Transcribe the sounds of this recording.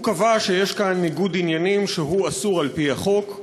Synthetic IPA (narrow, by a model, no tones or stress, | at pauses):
kavaʃejeʃkanːiɡudinjanimʃeɦuasuʁalpiaχo̞k